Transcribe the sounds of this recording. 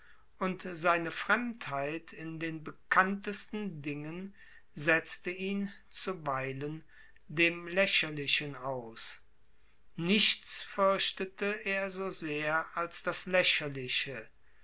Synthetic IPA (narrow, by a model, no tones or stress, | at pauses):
ʔʊntz̥aɪnəfʁ̥ɛmthaɪtʰɪndeːnbəkʰantəstn̩dɪŋən | zɛt͡stəiːn | t͡suvaɪlən | deːmlɛɕɐlɪʃənaʊs | nɪʃt͡sfʏɐʃtətʰəʔeːɐzoːzeːɐalsd̥aslɛɕɐlɪɕə